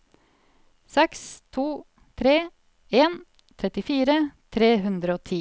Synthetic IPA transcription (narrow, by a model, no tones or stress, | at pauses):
sɛkst̪ʰuː | t̪ʰɾeː | eːn | t̪ʰɾɛt̪ɪfiːɾət̪ʰɾeːɦʉnd̪ɾəoːt̪ʰiː